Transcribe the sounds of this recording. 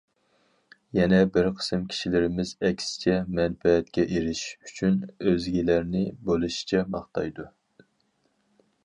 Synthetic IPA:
jɛnɛbɪɾqʰə̥sɨmkʲʰi̥ʃilɪɾɪmɪzɛkʲsɪ̥t͡ʃʰɛmɛnfɛɛt̪̚kʲɛʔeɾɪʃyt͡ʃʰynøzɡʲilæɾnɪbolˠuʃi̥t͡ʃʰɛbɑχt̪ʰɑjd̪u

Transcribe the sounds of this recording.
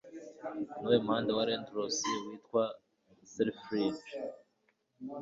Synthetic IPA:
nuwemuhaːndawaɾendɾosiwiːtkwa | seɾfɾid

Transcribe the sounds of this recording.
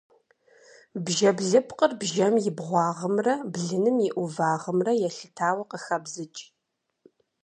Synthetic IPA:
bʒɐbɮɨpʰqərbʒɐmjɪbʁʷɑːʁɐmrɐbɮɨnɨmjɪʔʷʊvaːʁəmrɐjɛɬɨtʰaːwɐqəxɐbzɨt͡ʃʼ

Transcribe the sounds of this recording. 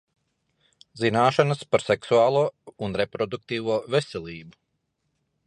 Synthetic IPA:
zinaːʃanəspaɾsɛksuaːlˠuːunɾepɾɔd̪uk̚t̪iːʋuːvesɛlʲˠiːbu

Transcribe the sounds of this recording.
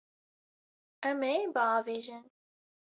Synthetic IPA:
ɛmebəɑːveːʒɪn

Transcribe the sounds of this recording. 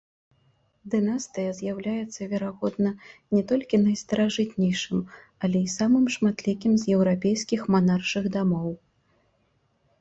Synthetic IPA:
d̪ɨnast̪ɨjɐzʲjawlʲajɛt̪sːɐvʲɛɾaɣɔd̪̚nɐnʲɛt̪ɔlʲkʲinɐjst̪ɐɾaʐɨt̪̚nʲɛjʂɨm | ɐlʲɛisamɨmʂmat̪lʲikʲimzjɛwɾapʲejskʲixmanarʂɨɣd̪amɔw

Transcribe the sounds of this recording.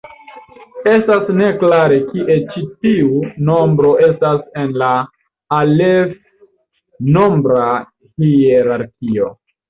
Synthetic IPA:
e̞stasne̞klaɾe̞kiʔe̞t͡ʃitiuno̞mbɾo̞ʔe̞stase̞nla | alev | no̞mbɾa | hieɾaɾkʲio̞̰

